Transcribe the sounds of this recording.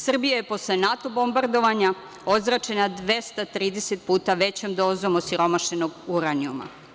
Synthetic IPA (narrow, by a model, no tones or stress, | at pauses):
sr̩bijaje̞po̞slenat̪o̞bo̞mbaɾd̪o̞ʋaɲa | o̞zɾat͡ʃe̞nad̪ʋe̞st̪at̪ɾiːd̪e̞set̪̚puːt̪aʋe̞t͡ɕomd̪o̞ːzo̞mosiɾo̞maʃeno̞ɡuɾaniuma̰